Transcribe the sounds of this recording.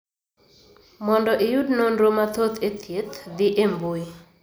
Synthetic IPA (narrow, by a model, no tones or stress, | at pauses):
mɔndɔʔijudnonɾomat̪ot̪ʰet̪ʰjet̪d̪ɪʔembui